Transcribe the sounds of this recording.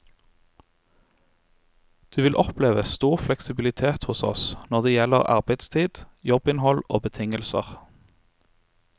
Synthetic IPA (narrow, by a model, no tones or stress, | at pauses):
d̪̥ʉːʋɪlʔɔpleːʋəst̪uːʁflɛksɪbɪlɪt̪ʰeːt̪hʊsɔ̰snɔʁd̪eːjɛləʁɑ̰ʁbæɪd̪st̪ʰiːd̪̥jɔbɪnhɔlo̰ːbət̪ʰɪŋəlsə̰ʁ